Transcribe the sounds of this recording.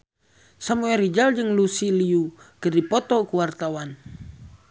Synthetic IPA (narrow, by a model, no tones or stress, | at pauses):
samuɛɾid͡ʒald͡ʒɨŋlusiliukədipɔt̪ɔkuwart̪awan